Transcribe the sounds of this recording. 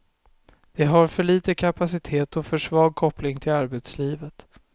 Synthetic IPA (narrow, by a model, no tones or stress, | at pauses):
d̪̥ɛɦaɾfœɭiːt̪əkʰapasɪt̪ʰeːt̪ɔfœʂvɑːɡ̚kʰɔplɪŋt̪ʰɪlaɾbɛt̪sliːvət̪